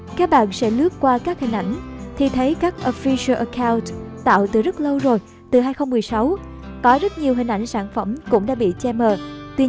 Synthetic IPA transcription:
kaː˦˥k̚ɓa̰ː˧˨nsɛ̰˧˥lɨ˦˥ət̚kwaː˧kaː˦˥k̚hï˨˩ŋ̟ʔa̰˧˩jŋ̟t̪ʰi˨˩t̪ʰə˨˦jkaː˦˥k̚ʔo˧fi˧sə˧ʔə˨˩kʰaː˧wntt̪a̰ː˧˨wt̪ɨ˨˩zə˦˥t̚lə˧wzo˨˩j | t̪ɨ˨˩ɦaː˧jxə˧wŋ͡mmɨ˨˩əjsa˨˦w | kɔ˨˦zə˦˥t̚ɲi˨˩əwɦï˨˩ŋ̟ʔa˧˩jŋ̟saː˧˩nfə˧˩mkʊ̰˧˥ŋ͡mɗa̰ː˧˥ɓḭ˧˨t͡ɕɛ˧məː˨˩t̪wi˧

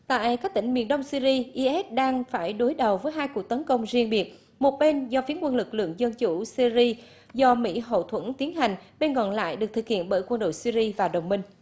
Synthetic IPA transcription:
t̪a̰ː˧˨jkaː˦˥k̚t̪ï˧˩ŋ̟mḭ˧˨ənɗə˧wŋ͡msi˧zi˧ʔi˧ʔɛ˦˥t̚ɗaː˧ŋfaː˧˩jɗo˨˦jɗə˨˩wvəː˨˦jɦaː˧jku˨˩ək̚t̪ə˨˦nkə˧wŋ͡mzi˧əŋɓi˨˩ət̚ | mo˨˩t̚ɓe˧nzɔ˧fi˨˦ənkwə˧nlɨ˨˩k̚lɨ̰˧˨əŋzə˧nt͡ɕu˧˩si˧i˧ | zɔ˧mḭ˧˥ɦo̰˧˨t̪ʰwə˧˩nt̪i˨˦ənɦa˨˩jŋ̟ɓe˧nkɔ˧˨˩nla̰ː˧˨jɗɨ˨˩k̚t̪ɨ˨˩khḭ˧˨ənɓəː˧˩jkwə˧nɗo̰˧˨jsi˧zi˧vaː˨˩ɗə˨˩wŋ͡mmï˧ŋ̟

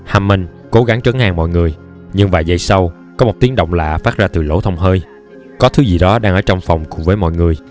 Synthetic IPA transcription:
haː˧mːə˧˩n | ko˨˦ɣa˨˦ŋt͡ɕə˨˦nha̰ː˧˨ŋmɔ̰˧˨jŋɨ˨˩əj | ɲɨ˧ŋvaː˨˩jzə˧jsa˧w | kɔ˨˦mo˨˩t̚t̪i˨˦əŋɗə̰˧˨wŋ͡mla̰ː˧˨faː˦˥t̚zaː˧t̪ɨ˨˩lo̰˧˩t̪ʰə˧wŋ͡mɦəː˧j | kɔ˨˦t̪ʰɨ˨˦zi˨˩ɗɔ˨˦ɗaː˧ŋʔəː˧˩˦t͡ɕɔ˧wŋ͡mfɔ˨˩wŋ͡mkʊ̰˧˩ŋ͡mvəː˨˦jmɔ̰˧˨jŋɨ˨˩əj

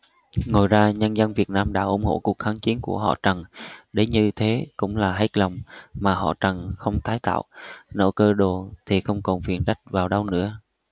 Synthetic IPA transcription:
ŋo˨˩jzaː˧ɲə˧nzə˧nvi˨˩ət̚naː˧mɗa̰ː˧˥ʔʊ̰˧˩ŋ͡mho̰˧˩ku˨˩ək̚t̪aː˨˦nki˨˦ənku˧˩əɦɔ̰˧˨t͡ɕə˨˩ŋɗe˨˦ɲɨ˧t̪ʰe˨˦kʊ̰˧˥ŋ͡mlaː˨˩ɦa˦˥k̟̚lə˨˩wŋ͡mmaː˨˩hɔ̰˧˨t͡ɕə˨˩nxə˧wŋ͡mt̪aː˨˦jt̪a̰ː˧˨wno̰˧˥kəː˧ɗo˨˩t̪ʰi˨˩xə˧wŋ͡mkɔ˨˩nfi˨˩ənza˦˥jk̟̚vaː˨˩wɗa˧wnɨ̰˧˥ə

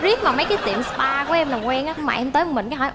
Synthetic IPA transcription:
zi˦˥ək̚maː˨˩wmə˨˦jkaː˨˦jt̪ḭ˧˨əmspaː˧ku˧˩˦ʔɛ˧mlaː˨˩kwɛ˧nʔaː˨˦˥ŋ͡mma̰ː˨˩ʔɛ˧mt̪əː˨˦jmï˨˩ŋ̟kaː˨˦ɦɔ̰˧˩˦j

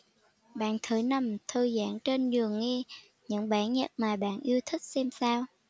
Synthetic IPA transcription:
ɓa̰ː˧˨nt̪ʰɨ˧˨˦jna˨˩mt̪ʰəː˧˩jza̰ː˧˥nt͡ɕe˧nzɨ˨˩əŋːi˧ | ɲɨ̰˧˥ŋɓaː˧˦ɲə̰˨˩t̚maː˨˩ɓa̰ː˧˨nʔi˧əwt̪ʰï˦˥k̚sɛ˧msaː˧w

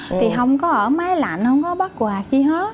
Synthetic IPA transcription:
t̪ʰi˨˩ɦə˧wŋ͡mkɔ˨˦ʔəː˧˩maː˨˦jla̰˧˨nhə˧wŋ͡mkɔ˨˦ɓa˦˥t̚kwaː˨˩ki˧ɦe˦˥t̚

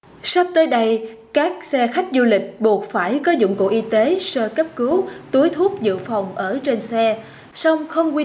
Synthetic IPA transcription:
sa˦˥p̚t̪əː˨˦jɗə˧j | kaː˦˥k̚sɛ˧xa˦˥jk̟̚zu˧lï˨˩k̟̚ɓu˨˩ət̚faː˧˩jkɔ˨˦zʊ̰˧˨ŋ͡mko̰˧˩ʔi˧t̪e˨˦səː˧kə˦˥p̚kɨ˨˦wt̪u˨˦jt̪ʰu˦˥ək̚zɨ̰˧˨fa˨˩wŋ͡mʔəː˧˩t͡ɕe˧nsɛ˧ | sa˧wŋ͡mxə˧wŋ͡mkwi˧

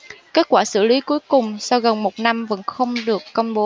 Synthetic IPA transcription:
ke˦˥t̚kwaː˧˩sɨ̰˧˩li˨˦ku˨˦jkʊ˨˩ŋ͡msa˧wɣə˨˩nmo˨˩t̚na˧mvə̰˧˥nxə˧wŋ͡mɗɨ˨˩əkːə˧wŋ͡mɓo˨˦

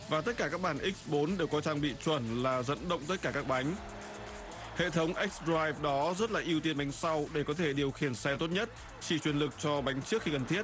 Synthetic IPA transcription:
vaː˨˩t̪ə˦˥t̚kaː˧˩kaː˦˥k̚ɓaː˧˩nʔi˦˥k̚sɓo˨˦nɗe˨˩wkɔ˨˦t͡ɕaː˧ŋɓḭ˧˨t͡ɕwə˧˩nlaː˨˩zə̰˧˥˨nɗə̰˧˨wŋ͡mt̪ə˦˥t̚kaː˧˩kaː˦˥k̚ɓa˨˦jŋ̟ | hḛ˧˨t̪ʰə˨˦wŋ͡mʔɛ˦˥k̚sdaː˧jvɗɔ˨˦zə˦˥t̚la̰ː˨˩ʔi˧əwt̪i˧ənɓa˨˦jŋ̟sa˧wɗe˧˩kɔ˨˦t̪ʰe˧˩ɗi˨˩əwxi˧˩ənsɛ˧t̪o˦˥t̚ɲə˦˥t̚ | t͡ɕi˧˩t͡ɕwi˧˩ənlɨ˨˩k̚t͡ɕɔ˧ɓa˨˦jŋ̟t͡ɕɨ˦˥ək̚xi˧kə˨˩nt̪ʰi˦˥ət̚

